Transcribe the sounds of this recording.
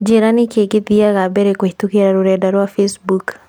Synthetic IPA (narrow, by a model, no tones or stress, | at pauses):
d͡ʒeɾanɪkeɡɪðiaɣabɛɾekwetukeɾaɾʊɾɛdaɾwafesbuk